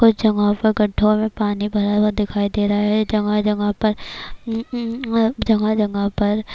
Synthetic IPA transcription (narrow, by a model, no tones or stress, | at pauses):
kʊt͡ʃʰd͡ʒɐŋɡapɐɾɡɐʈʰːõmẽpaːnibʱɐɾawad̪ɪkʰaːid̪eːɾɐɦaɦɛd͡ʒɐŋɡad͡ʒɐŋɡapɐɾ | d͡ʒɐŋɡad͡ʒɐŋɡapɐɾ